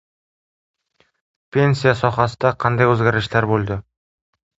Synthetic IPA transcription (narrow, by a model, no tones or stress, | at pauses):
pʰe̞nsijasɒχɑsɪd̪aqʰɑnd̪ajɵzɡʲaɾɪʃlaɾbolˠd̪ɪ